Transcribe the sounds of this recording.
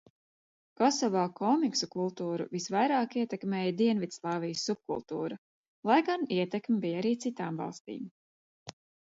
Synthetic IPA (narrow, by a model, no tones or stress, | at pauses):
kɔsɔvaːkɔmiksukulˠt̪uːɾṵvisvajɾaːkiɛt̪ɛkmɛːjd̪iɛnvit̪slˠɑːvijəsːup̚kṵlˠt̪uːɾa | lˠajɡaniɛt̪ɛkmʲibijaɾiːt̪sit̪aːmvɑ̰lˠst̪ḭːm